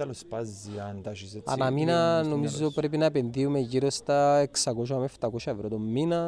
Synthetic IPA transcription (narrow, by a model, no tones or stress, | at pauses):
alospaziant̪at͡ʃisa̰naminanomizopɾep̬inap̬enðiumeʝiɾost̪aeksakoʃaameft̪akoʃavɾot̪omːina